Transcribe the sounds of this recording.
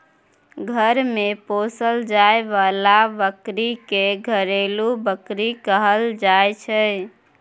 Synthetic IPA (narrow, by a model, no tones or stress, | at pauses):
ɡʱəɾmeposəld͡ʒaeʋalabəkɾikeɡʱəɾelubəkɾikəɦəld͡ʒaet͡ʃʰə